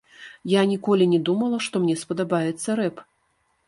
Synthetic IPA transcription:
janʲikɔlʲinʲɛd̪umɐlˠɐʂt̪ɔmnʲɛspɐd̪abajɛt̪sːɐɾɛp

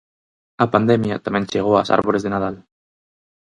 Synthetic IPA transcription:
apand̪emjat̪amẽnt͡ʃeɣ̞oa̰sa̰ɾβoɾezðenað̞al

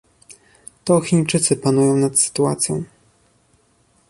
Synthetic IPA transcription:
t̪ɔxʲiɲt͡ʂɘt̪sɘpanujɔ̃w̃nat̪sɘ̥t̪ua̰t̪sʲjɔ̃w̃

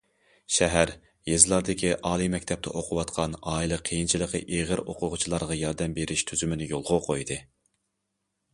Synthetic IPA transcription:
ʃɛɦæɾ | jezɨlˠɑɾd̪ɪkʲʰiʔɑːlˠimɛkʲt̪ʰɛp̚t̪ʰɛ̰ʔoqʰʊwɑt̪qʰɑnɑːilˠɨqʰejint͡ʃʰilˠəqə̰ʔeʁəɾoqʰʊʁʊt͡ʃʰilˠɑɾʁɑjɑɾd̪ɛmbeɾɪʃt̪ʰyzymɪnɪjolˠʁʊqʰojd̪ɨ

